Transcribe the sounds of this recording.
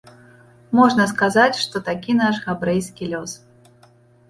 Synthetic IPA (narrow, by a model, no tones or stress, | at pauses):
mɔʐnɐskazat͡sʲʂt̪ɔt̪akʲinaʂɣabɾɛjskʲilʲɔs